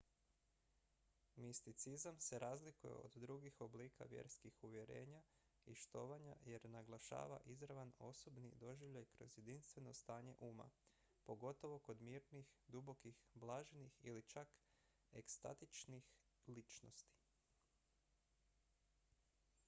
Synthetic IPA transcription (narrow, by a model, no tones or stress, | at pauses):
mist̪it̪sizamse̞ɾaːzlikujḛo̰d̪d̪ɾuɡixo̞bliːkʰa̰ʋje̞̰ɾskixuʋje̞ɾe̞ːɲa | iʃt̪o̞ːʋaɲa̰je̞ɾnaɡlˠaʃa̰ːʋa̰ʔizɾaʋano̞so̞bnḭd̪o̞ʒiʋʎajkɾo̞zje̞d̪inst̪ʋe̞no̞st̪aːɲe̞̰ʔuːma̰ | po̞ɡo̞t̪o̞ʋo̞ko̞d̪miːɾnixd̪ubo̞kixblˠaːʒenixilit͡ʃak | e̞kst̪a̰t̪it͡ʃnix | lit͡ʃno̞̰st̪i̥